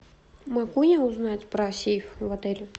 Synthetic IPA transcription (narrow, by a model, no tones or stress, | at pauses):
mɐɡunʲɛʊznatʲpɾɐsʲifvˠɐt̪ɛlʲʊ